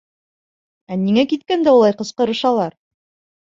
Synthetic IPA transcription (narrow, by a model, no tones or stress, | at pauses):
æniŋækit̪kænd̪æulˠɑjqɤ̆sqɤɾɤ̆ʃɑlˠɑɾ